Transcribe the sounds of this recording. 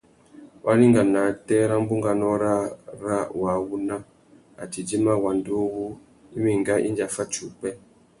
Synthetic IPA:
wʔa˦li˦ŋɡa˨na˨˦tɛ˦ɾa˦ŋ˦bu˦ŋɡa˨nɔ˦ɾa˦ɾa˦wa˨˦wu˦na˦ | a̰˨ti˨d͡ʒi˦ma˦wa˨ndo˦wu˦ | i˦mi˨ŋ˨ɡa˦ʔi˦nd͡ʒa˨fa˦t͡ʃu˨pɛ˦

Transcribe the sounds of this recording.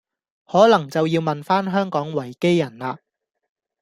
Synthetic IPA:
hɔː˨˥lɐ˨˩ŋt͡sɐ˨wjiː˧wmɐ˨nfaː˥nɦœː˥ŋkɔː˨˥ŋwɐ˨˩jke˥jːɐ˨˩nlaː˧

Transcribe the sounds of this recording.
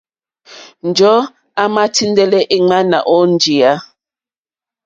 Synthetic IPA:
n̩˨d͡ʒɔ˦ | a˦ma˦tʰi˦n˦dɛ˦lɛ˦ʔi˦ŋ͡ma˦na̰˨ʔɔ˦n̩˦d͡ʒi˨a˦

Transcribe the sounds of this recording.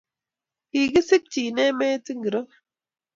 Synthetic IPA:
iː˨ɡi˦si˦k̚t͡ʃiː˨neː˦meː˦t͡si˦ŋɡi˨ɾo˦

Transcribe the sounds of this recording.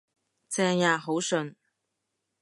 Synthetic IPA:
t͡sɛː˧ŋjaː˨˧ɦo˨˥wsɵ˨˧n

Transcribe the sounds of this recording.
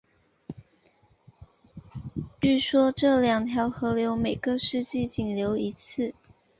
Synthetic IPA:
y˥˩ʂwɔ˥ʈ͡ʂɤ˥˩ljɑ˨˩ŋt̪ʰjɑ˧˥ʊxɤ˧˥ljo˧˥ʊme˨˩ɪɡə˦ʂɻ̩˥˧t͡ɕi˥˩t͡ɕi˨˩ŋljo˧˥ʊi˧˥t͡s̩ʰ˥˩

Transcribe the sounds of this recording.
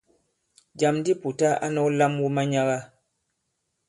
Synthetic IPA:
d͡ʒa˨mn˦di˦˨pu˨ta˦a̰˦nɔ˦la˦mwu˦ma˦ɲa˦ɣa˦

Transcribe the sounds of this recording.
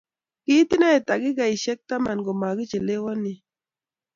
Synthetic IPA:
ki˦ti˦na˦˨ta˨ɡi˦ɡa˨i˨ʃɛ˦k̚ta˦ma˨nɡo˨ma˨ɡi˦t͡ʃe˨le˦wɔ˦ni˨

